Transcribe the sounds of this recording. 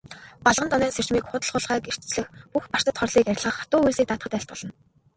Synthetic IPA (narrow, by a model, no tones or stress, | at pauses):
paɮʁənt̪ʰɔnæːnser̥t͡ɕmiːkχʊt̪ə̆ɮχʊɮʁæːker̥t͡ɕt͡sɮɘ̆xpuxpar̥t̪ə̆t̪χɔrɮiːkæɾʲɪ̆ɮʁə̆χḁt̪ʊːujsiːkt̪aːt̪χə̆t̪æɬt̪̚ɢə̆ɮə̆n